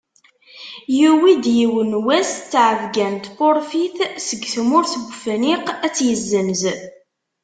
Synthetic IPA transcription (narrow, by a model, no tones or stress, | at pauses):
jiwid̪jiwənwæst͡sːʕəvɡænt̪poɾfiθsəɡθmʊɾθəɡʷfəniqæt͡sːjəzːəmz